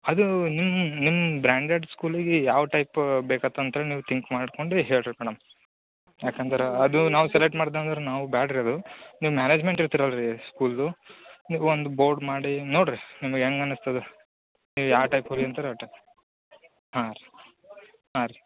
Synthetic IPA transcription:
ɐd̪unimːnimːɐbɾaːɳɖeɖskuːliɡejaːʋɐʈɐjpbeːkɐt̪ːɐnt̪ɐɦeːleniːʋut̪ʰiŋkmaːɖko̞ɳɖuɦeːɭɾmɛɽɐm | jaːkɐnt̪ɐɾeɐd̪unaːʋusɛleʈːmaːɽd̪and̪ɐɾenaːʋubaːɽiɾɐd̪uniːʋumjaːneːd͡ʒme̞ɳʈiɾt̪iɾalɾiskuːld̪uniːʋuond̪uboːɾɖmaːɽinoːɽɾinimɐɡeŋɡɐnust̪ɐd̪u | niːʋujaːʈɐjpoliɐnt̪ɐɾeɐʈːɐ | haːɾ | haːɾi

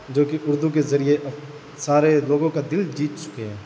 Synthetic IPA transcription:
d͡ʒoːkiʔʊɾd̪ukezɐɾieʔɐb | saːɾeloːɡõkad̪ɪld͡ʒiːt̪t͡ʃʊ̥keɦɛ̃ː

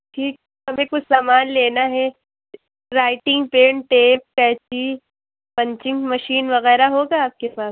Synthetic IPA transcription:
ʈʰiːk̚ɛɦɐmẽkʊt͡ʃʰsaːmaːnleːnaɦɛ | ɾaːɪʈɪ̃ŋɡpeːɳʈeːp̚kɛːt͡ʃi | pɐ̃ɲt͡ʃɪ̃ŋɡmɐʃiːnʋɐɣɛːɾaɦoːɡaaːp̚kepaːs

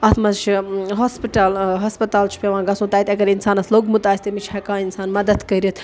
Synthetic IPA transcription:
ɐt̪ʰmɐzt͡ʃʰiɦospiʈaːlɦɐspɐt̪aːlt͡ʃʰu̥pʲeʋãːɡɐsũːt̪aːit̪ʲɐɡɐɾinsaːnɐsloːɡmut̪aːsʲt̪emit͡ʃʰhɐkãːinsaːnmɐd̪ɐd̪kɐɾit̪ʰ

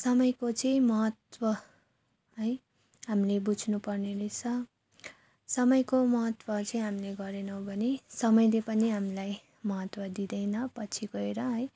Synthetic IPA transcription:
sʌmʌjkot͡sʌĩmʌɦʌt̪wʌ | ɦʌj | ɦamilebud͡zʱnupʌrneɾʌjt͡sʰʌ | sʌmʌjkomʌɦʌt̪wʌt͡sʌĩɦamileɡʌɾenʌwbʱʌnisʌmʌjlepʌniɦamilaj | mʌɦʌt̪wʌd̪id̪ʌjnʌpʌt͡sʰiɡʌeɾʌɦʌj

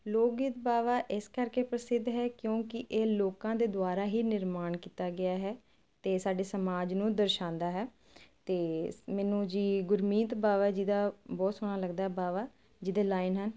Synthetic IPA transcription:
loːɡɪt̪baːʋaːʔɪskəɾkeːpɾəsɪd̪ɦɛːkjõːkɪʔeːloːkãːd̪eːd̪ʊaːɾaːɦiːnɪɾmaːɳkiːt̪aːɡɪjaːɦɛː | t̪eːsaːɖeːsəmaːd͡ʒnũːd̪əɾʃãːnd̪aːɦɛː | t̪eːmɛːnũːd͡ʒiːɡʊɾmĩːt̪baːʋaːd͡ʒɪd̪aːbɔːt̪sʊɽ̃aːləɡd̪aːɦɛbaːʋaː | d͡ʒɪd̪eːlaːɪnɦən

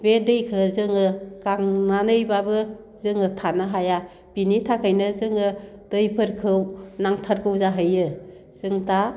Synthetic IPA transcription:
bedɯjkʰɯzɯŋɯkaŋnanɯjbabɯ | zɯŋɯtʰanaɦaja | b̥initʰakʰajnɯzɯŋɯd̥ɯjpʰɯɾkʰɯwnaŋtʰaɾkʰɯwzaɦɯjɯ | z̥ɯŋta

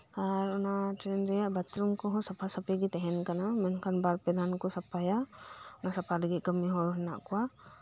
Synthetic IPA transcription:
aɾɔnat͡ʃɾɛnɾɛjaʔbat̪ɾumkɔɦɔ̃sapʰasəpɛɡit̪ɛɦɛnkanamɛnkʰanbaɾpɛlankɔsapaja | ʊnasapʰalɛɡiʔɡəmiɦɔ̃ɦɛna̰ʔkɔwa

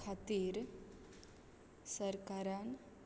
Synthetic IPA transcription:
at̪iːɾ | səɾkaɾan

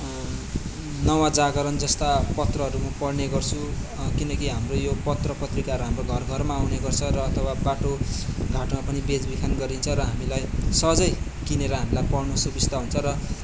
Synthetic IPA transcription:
nʌwãd͡zaɡʌɾʌnd͡zʌst̪apʌt̪rʌɦʌɾumʌpʌɽneɡʌrt͡sʰu | kinʌkiɦamrojopʌt̪rʌpʌt̪rikaɦʌɾuɦamroɡʱʌrɡʱʌrmaːwneɡʌrt͡sʰʌɾʌːt̪ʰʌwabaʈoɡʱaʈmapʌnibed͡zbikʰanɡʌɾint͡sʰʌɾʌɦamilajsʌd͡zʌj | kineɾʌɦamilajpʌɽnusubist̪aɦunt͡sʰʌɾʌ

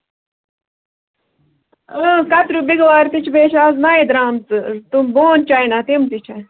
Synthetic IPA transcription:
əkɐt̪ɾubiɡʋaːɾt̪it͡ʃʰbeːt͡ʃʰaːznaːid̪ɾaːmt͡sɨt̪umboːnt͡ʃajnat̪imt̪it͡ʃʰɐ

